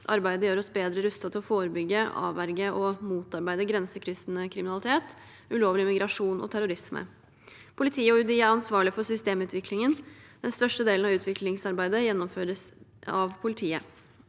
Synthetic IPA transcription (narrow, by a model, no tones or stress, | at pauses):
ʔɑ̰ɾbæɪd̪əjøːɾɔsbeːd̪ɾəɾʉst̪ɑt̪ʰɪlɔfoːɾəbʏɡːəɑ̰ːʋæɾɡəʔɔmuːt̪ɑɾbæɪd̪əɡɾɛnsəkʰɾʏsnəkʰɾɪmɪnɑlɪt̪ʰeːt̪ | ʉloːʋəlɪmɪɡɾɑʂuːnɔ̰t̪ʰæɾʊɾɪsmə̰ | pʰʊlɪt̪ʰiːəɔʉd̪iːəæɾɑnsʋɑːɭɪfɔsʏst̪eːmʉːt̪ʰʋɪklɪŋənd̪̥ɛnst̪œʂʈəd̪eːln̩ɑʋʉːt̪ʰʋɪklɪŋsɑɾbæɪd̪əjɛnːɔmføːɾəsɑʋpʰʊlɪt̪ʰiːə